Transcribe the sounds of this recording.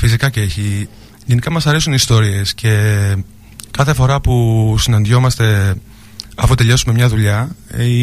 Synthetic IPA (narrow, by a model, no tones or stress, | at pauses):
fisikɐceeçi | ʝenikɐmɐsɐɾe̞sunist̪o̞ɾie̞sce̞ | kɐθe̞fo̞ɾɐpusinɐnd̪jo̞mɐst̪e̞ | ɐfut̪e̞ʎo̞sume̞mɲɐðuʎɐi